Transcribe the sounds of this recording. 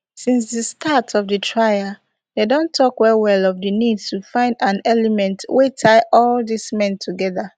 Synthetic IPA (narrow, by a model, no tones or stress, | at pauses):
sĩnsdəstʰatʰɔvdətʰɹaja | dedõntʰːɔkwɛɹiwɛlɔfdɨnidstufãɪ̃ndãnɛlɛmɛ̃ntwetʰaɪʔɔldismɛ̃ntʰuɡɛða